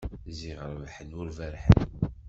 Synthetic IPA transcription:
ziʁəɾˤvħənʊɾvæɾħə̰n

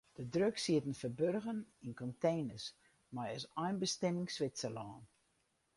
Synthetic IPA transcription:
d̥ədrøksiətən̩fərbørɣəninkɔnteːnəs | majəsɔjnbəstɛmɪŋsʋɪsəlɔːn

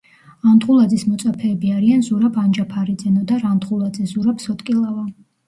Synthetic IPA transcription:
and̪χulˠad̪zismɔt̪sʼapʰɛːbiaɾianzuɾabʰand͡ʒapʰaɾid̪zɛnɔd̪aɾant̪χulˠad̪zɛzuɾapsɔt̪ʼkʼilˠava

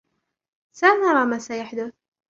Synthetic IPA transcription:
sanaɾˤɑːmasajaħd̪ʊθ

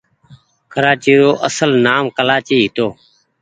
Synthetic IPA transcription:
kəɾaːt͡ʃiːɾoːʔəsəlnaːmkəlaːt͡ʃiːɦɪt̪oː

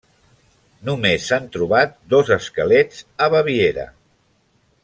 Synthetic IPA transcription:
numesːant̪ɾuβat̪̚d̪ozəskəlɛd͡zəβəβieɾə̰

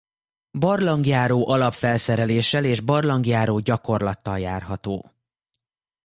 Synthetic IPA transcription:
bɒrlɒŋɡjaːɾoːʔɒlɒpfɛlsɛɾɛleːʃɛleːʒbɒrlɒŋɡjaːɾoːɟɒko̞rlɒt̪ːɒljaːrɦɒt̪o̰ː

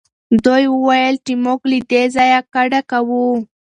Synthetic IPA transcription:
d̪ojwəwajəlʈimoklid̪ezɑjakaɖakawu

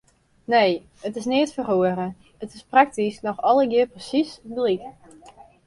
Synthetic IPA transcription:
nej | ətɪsnɪətfərhoəɾə | ətɪsprak̚tisnɔxɔlˠəɡɪərprəsisdəlit

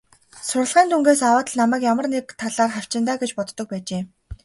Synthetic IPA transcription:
sʊrə̆ɮʁiːnt̪ʰuŋɡeːsawaːt̪ə̆ɮnamæːkjamə̆rnekt̪ʰːaɮaːrχaw̥t͡ɕɪ̆nt̪aːɡet͡ɕpɔt̪ːɞ̆k̚pæːt͡ɕeː

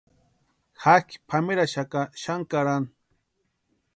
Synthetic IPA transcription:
hakpʰamɪɾaʃakaʃaŋkaɾan

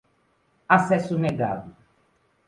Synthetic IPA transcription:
asɛsʊneɡa̰vu

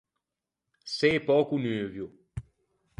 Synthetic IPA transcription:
sɛpɔkunøːvjo

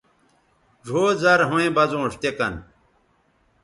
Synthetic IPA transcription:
ʐʱoːzɐɾɦũẽbɐzõːʂt̪ekɐ̰n

